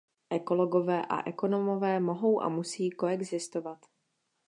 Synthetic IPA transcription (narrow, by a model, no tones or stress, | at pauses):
ʔɛko̞loɡo̞vɛːʔa̰ʔɛko̞nomo̞vɛːmo̞ɦo̞wʔa̰musiːko̞ɛɡzɪst̪ovat̪